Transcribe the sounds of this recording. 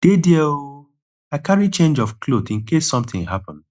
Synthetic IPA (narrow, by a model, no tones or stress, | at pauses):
d̥edieo | aɪkaɹit͡ʃẽnd͡ʒɔfkʰlodĩnkesːɔ̃mt̪ɪ̃ŋɦapɔ̃nd